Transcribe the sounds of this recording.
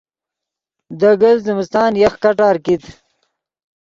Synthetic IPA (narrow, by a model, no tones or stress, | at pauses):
d̪əɡəlzɪmɪst̪ɑːnjaxkaʈɑːɾkit̪